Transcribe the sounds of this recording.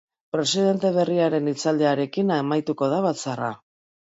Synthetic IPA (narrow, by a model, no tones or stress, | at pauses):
pɾe̞siðe̞nt̪e̞β̞e̞riaɾe̞nit͡sald̪e̞aɾe̞kinaemajt̪uko̞ðaβat͡sara